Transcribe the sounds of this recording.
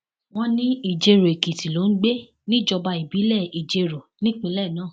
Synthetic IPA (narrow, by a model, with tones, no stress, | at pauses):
w̃ɔ̃˧nĩ˦i˦˨d͡ʒe˧ɾo˨e˨ki˨ti˨lo˨˦n̩˦ɡ͡be˦ | nĩ˦˨d͡ʒɔ˧ba˧i˨bi˨˦lɛ˦˨i˨d͡ʒe˧ɾo˨nĩ˦k͡pĩ˧˦lɛ˦˨nãː˦˨